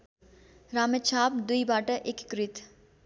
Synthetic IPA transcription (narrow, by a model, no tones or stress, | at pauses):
ɾaːmet͡ʃʰaːp̚d̪ujbaːʈəʔekkɾit̪